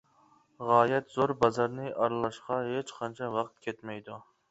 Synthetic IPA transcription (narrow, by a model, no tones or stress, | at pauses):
ʁɑːjɛt̪z̥oɾbɑzɑɾnɨʔɑɾlˠɑʃqɑɦet͡ʃqʰɑnt͡ʃʰɑwɑqt̪̚kʲʰet̪mɛjd̪u